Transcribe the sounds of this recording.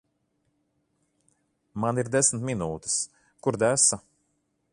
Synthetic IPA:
maniɾd̪ɛsnt̪mʲinuːt̪i̥s | kuɾd̪æsa

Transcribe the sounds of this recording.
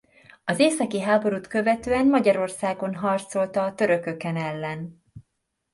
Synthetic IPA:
ɒzeːsɒkiɦaːbo̞ɾuːt̪kø̞vɛt̪øːɛnmɒɟɒɾo̞rsaːɡo̞nɦɒrt̪so̞lt̪ɒːt̪ø̞ɾø̞kø̞kɛnɛlːɛn

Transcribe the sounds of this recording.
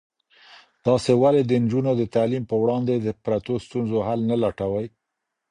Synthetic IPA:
d̪̥ɑsewaled̪ənd͡ʒunod̪ət̪alimpəwɽɑnd̪ed̪əpɾat̪ost̪unzoɦalnalaʈawaj

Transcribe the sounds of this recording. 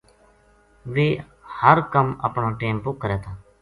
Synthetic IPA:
ʋeː | həɾkəmə̰pɳaːʈeːmpʊkːəɾɛːt̪ʰãː

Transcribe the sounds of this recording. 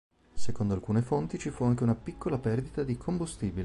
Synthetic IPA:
sekond̪oalkuːnefont̪it͡ʃifuaŋk̟eunapikːolapɛrd̪it̪ad̪ikʰombust̪iːbil

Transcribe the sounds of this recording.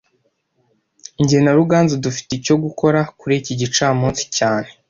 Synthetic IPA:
iɲɟihenaɾuɡaːnzudufi̥teco̞ɡuko̞ɾakuɾeciɟit͡ʃaːmuːnsi̥caːne̞

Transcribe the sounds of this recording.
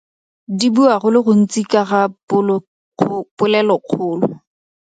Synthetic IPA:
dibuaχʊlɪɣʊn̩t͡sʼikaɣaʊlʰ | pʊlɛlɔq͡χʰʊːlʊ

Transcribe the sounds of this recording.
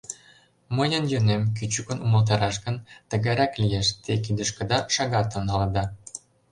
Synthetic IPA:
mɤjə̆njønemk̬yt͡ɕykə̆numə̆lt̪̬ɑɾɑʃɣə̆nt̪ə̆ɣæɾɑklijeʃt̪ekid̪ə̆ʃkə̆d̪ɑʃɑɣɑt̪ə̆nɤ̆lɤ̆d̪ɑ

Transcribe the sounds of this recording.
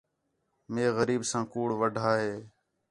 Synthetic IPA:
meːɣəɾiːbsãːkuːɽʋəɖʱaːɦeː

